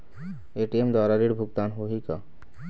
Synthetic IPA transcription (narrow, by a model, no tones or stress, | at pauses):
eʈiemd̪ɔɾaɾiɾbʱukt̪anɦoɦika̰